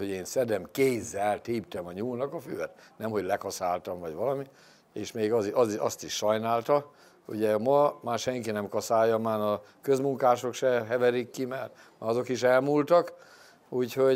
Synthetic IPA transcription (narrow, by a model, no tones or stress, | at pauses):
hoɟeːnsɛd̪ɛmkeːzːɛlt̪iːpt̪ɛmɒɲuːnɒkɒfy̰ːɛt̪nɛmɦo̞ɟlɛkɒsaːlt̪ɒmvɒɟʋɒlɒmi | eːʃmeːɡɒziɒziɒst̪iʃːɒjnaːlt̪ɒ | ṵɟɛmɒmaːrʃɛŋkinɛmkɒsaːjːɒmaːnɒ | kø̞zmuŋkaːʃo̞kʃɛɦɛvɛɾikːimɛr | maɒzo̞kiʃ̬ɛlmuːlt̪ɒk | uːcho̞